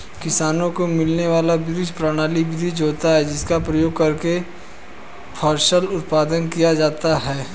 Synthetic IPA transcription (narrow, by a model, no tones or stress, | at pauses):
kɪsaːnõkomɪlneʋaːlabɪɾɪd͡ʒpɾaɽ̃aːlibɪd̪ʱid͡ʒɦoːt̪aɦɛd͡ʒɪskapɾɐjoːɡ̚kɐɾke | pʰaːɾʃəlʊt̪̚paːd̪ənkijad͡ʒaːt̪aɦɛː